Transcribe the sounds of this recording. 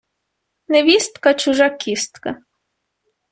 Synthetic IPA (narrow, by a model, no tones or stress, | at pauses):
neʋist̪kat͡ʃʊʒakʲist̪ka